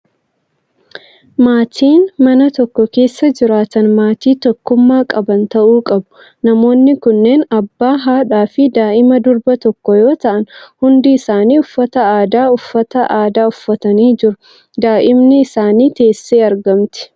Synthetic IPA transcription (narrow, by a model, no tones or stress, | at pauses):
maːt̪ʰiːnmɐnɐt̪ɔkːɔke̞ːsːɐd͡ʒɪɾaːt̪ɐnmaːt̪iːt̪ɔkːʊmːaːkʼɐbɐnt̪ɐʔuːkʼɐbʊ̥ | nɐmo̞ːnːɪkʊnːe̞ːnɐbːaːɦaːᶑaːfɪd̪aːʔɪmɐd̪ʊɾbɐt̪ɔkːɔjo̞ːt̪ɐʔɐnhʊnd̪ɪːsaːniːʊfːɐt̪ɐaːd̪aːʊfːɐt̪ɐʔaːd̪aːʊfːɐt̪ɐniːd͡ʒɪɾʊ | d̪aːʔɪmnɪɪsaːniːt̪e̞ːsːe̞ːɐɾɡɐmt̪ɪ̥